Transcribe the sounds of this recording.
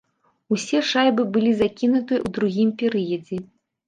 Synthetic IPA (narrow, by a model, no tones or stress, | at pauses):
usʲɛʂajbɨbɨlʲizakʲinut̪ɨɐ̰ʔud̪ɾuɣʲimpʲɛɾɨjɐd͡zʲɛ